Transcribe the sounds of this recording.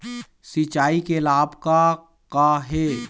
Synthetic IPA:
sit͡ʃaːikelaːbka | kaɦeː

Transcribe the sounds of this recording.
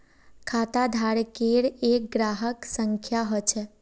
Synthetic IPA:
kʰaːt̪ad̪ʱaɽkeɽeːk̚ɡɾaːɦəksə̃ŋkʰjaɦɔt͡ʃʰe

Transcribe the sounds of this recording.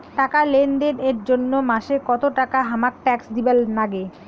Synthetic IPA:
ʈakalend̪eɾeɾd͡ʑonːomaʃekɔt̪oʈakaɦamak̚ʈɛksd̪ibelnaɡe

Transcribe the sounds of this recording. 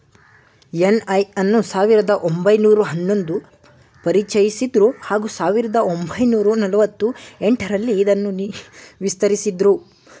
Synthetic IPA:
jenɐjɐnːusaːʋiɾɐd̪ɐʔombɐjnuːɾuɦɐnːo̞nd̪u | pɐɾit͡ʃɐjisid̪ɾuhaːɡusaːʋiɾɐd̪ɐombʱɐjnuːɾunɐlɐʋɐt̪ːue̞ɳʈɐɾɐlːiːd̪ɐnːuʋist̪ɐɾisid̪ɾu

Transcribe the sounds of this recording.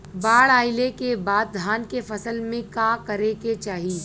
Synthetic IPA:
baːɭaːɪlekebaːd̪̚d̪ʱaːnkefɐsəlmẽkãːkɐɾeket͡ʃaːɦiː

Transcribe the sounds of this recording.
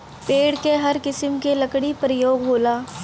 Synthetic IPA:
peːɽkeɦɐɾkɪsəmkelɐkɽipɾəjoːɡɦoːlaː

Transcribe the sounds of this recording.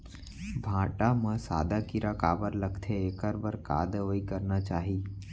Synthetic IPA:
bʱãːʈamə̃sa̰ːd̪akiɾakaːbəɾləɡt̪ʰeeːkəɾbəɾka̰ːd̪ɦoːikəɾnat͡ʃaːɦiː

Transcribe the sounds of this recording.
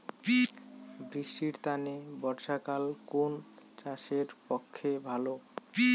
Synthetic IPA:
bɾiʃʈiɾt̪anebɔɾʃakalkont͡ɕaʃeɾpɔkʰːebʱalo

